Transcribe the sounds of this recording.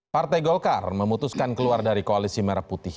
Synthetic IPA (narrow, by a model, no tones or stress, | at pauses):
part̪ajɡɔlkarməmut̪uskankəluardaɾikoalisimɛɾaput̪ɪh